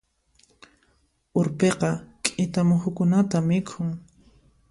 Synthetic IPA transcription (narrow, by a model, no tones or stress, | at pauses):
ʊɾpeqɑkʼɪt̪amʊxʊkʊnat̪amɪkʰʊŋ